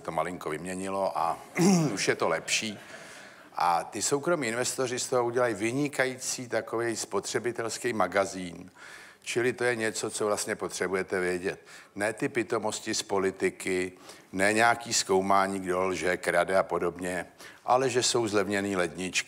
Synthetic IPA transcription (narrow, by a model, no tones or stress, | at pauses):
t̪omalɪŋko̞vɪmɲɛɲɪlo̞ʔa | uʃjɛt̪o̞lɛpʃiː | ʔat̪ɪso̞wkɾo̞miːɪnvɛst̪o̞rɪst̪oɦo̞uɟɛlajivɪɲɪkajit͡siːt̪akovɛjspo̞t̪r̝̥ɛbɪt̪ɛlskɛjmaɡaziːn | t͡ʃɪlɪt̪o̞jɛɲɛt͡so̞t͡sovlast̪ɲɛpo̞t̪r̝̥ɛbujɛt̪ɛvɪɛɟɛt̪̚nɛːt̪ɪpɪt̪o̞mo̞scɪspo̞lɪt̪ɪkɪnɛːɲaːkiːsko̞wmaːɲiːɡdo̞lʒɛkɾadɛapo̞do̞bɲɛʔa̰lɛʒɛso̞wzlɛvɲɛniːlɛd̪ɲɪt͡ʃk